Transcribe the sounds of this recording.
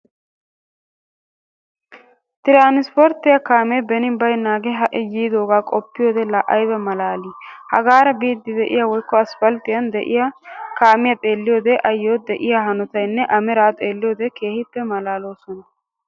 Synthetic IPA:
t̪ɪɾaːnɪspɔɾt̪ːɪjɐkaːmɛbɛnɪbɐjnːaːɡɛɦɐʔɪjiːd̪oːɡaːkʼɔpːɪjoːd̪ɛlɐʔɐjbɛmɐlaːliːhɐɡaːɾɐbiːd̪ːɪd̪ɛʔɪ̰jawɔjkːɔɐsfɐlt̪ɪjɐnd̪ɛʔɪjakaːmɪjɐt̪ʼe̞ːlːɪjoːd̪ɛʔɐjːoːd̪ɛʔɪjaɦɐnɔt̪ɐjnːɛʔɐmɛɾaːt̪ʼe̞ːlːɪjoːd̪ɛke̞ːhɪpːɛmɐlaːlo̞ːsɔnɐ

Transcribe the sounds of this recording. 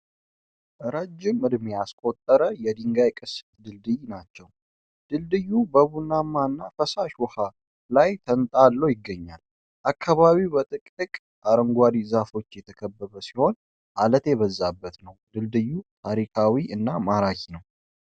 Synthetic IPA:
ʔɨɾəd͡ʒːɪmːɨd̪measkʼot̪ʼːəɾəjɛd̪iŋɡajkʼɨs | d̪ɨld̪ɨjnat͡ʃːɛw | d̪̥ɨld̪ɨjːubəβunːamːaɨnːafəsaʃwɔha | lajt̪ʰənt̪ʼalːəwjɪɡːəɲːal | ʔakʰːaβaβiwbət̪ʼɨkʼɨkʼ | aɾəŋɡʷaɾizafo̞t͡ʃːjɛt̪ʰəkʰəbːəβəsiho̞n | ʔalət̪jɛβəzːabːət̪nəwd̪ɨld̪ɨjːut̪ʰaɾikʰawiʔɨnːamaɾakʰinəw

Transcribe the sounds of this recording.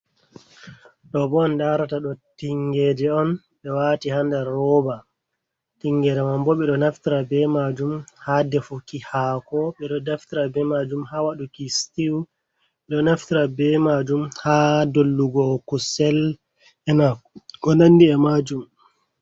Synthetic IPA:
ɗɔbɔndaɾataɗɔtiŋɡɛd͡ʒɛɔn | ɓɛwaːtihandaɾɔba | tiŋɡɛɾɛmambɔɓɛɗɔnaftiɾabɛmad͡ʒumhadɛfukihakɔɓɛɗɔdaftiɾabɛmad͡ʒumhawaɗukistiw | ɓɛɗɔnaftiɾabɛmad͡ʒumhadolːuɡɔkusɛl | ɛnakkɔnanːdiɛmad͡ʒum

